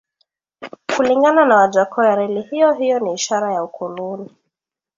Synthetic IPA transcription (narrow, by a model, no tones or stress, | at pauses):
kuliŋɡananawaʄakʰɔjaɾɛlihijɔɦijɔniːʃaɾajaukʰuluni